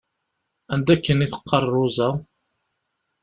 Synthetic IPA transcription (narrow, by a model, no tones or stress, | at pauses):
ænd̪ækːəniθə̥qʰːɑrˤːʊzæ